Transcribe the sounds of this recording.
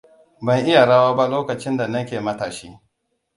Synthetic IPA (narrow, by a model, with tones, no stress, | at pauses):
bɐ˦ŋʔɪ˦ja˨ɽa˦waː˦ba˦loː˦kɐ˨t͡ʃɪ˦nda˨nɐ˦kʲeː˨mɐ˦taː˨ʃiː˦